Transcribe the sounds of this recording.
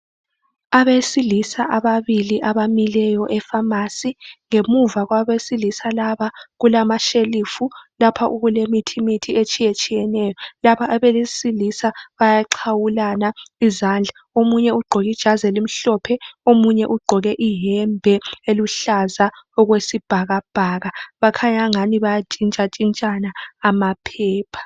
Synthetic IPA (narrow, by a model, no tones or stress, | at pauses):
aβesilisaʔaβaβiliʔaβamilɛjɔʔɛfamasiŋemuvaɣwaβesilisalaβaɣulamaʃelifulapʰaʔuɣulemitʰimitʰiet͡ʃʼijet͡ʃʼijɛnɛːjɔlaβaʔaβɛlesilisaβajaǃʰawulanaizand͡ɮʱa | omuɲɛuɡ͡ǃʱɔɣid̥ʒ̥ʱazɛlim̩ɬɔpʰɛomuɲɛʔuɡ͡ǃʱɔɣɛʔiɦɛmbʱɛeluɬazaɔɣwesib̥ʱaɣab̥ʱaɣaβakʰaɲaŋaniβajat͡ʃʼint͡ʃʼat͡ʃʼint͡ʃʼanaːmapʰɛːpʰḁ